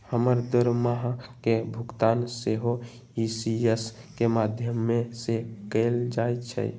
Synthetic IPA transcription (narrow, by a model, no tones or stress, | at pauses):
həməɾd̪əɾmaɦkebʱuɡt̪anseɦo | isies | kemad̪ʱjəmːesekəld͡ʒajt͡ʃʰə̰j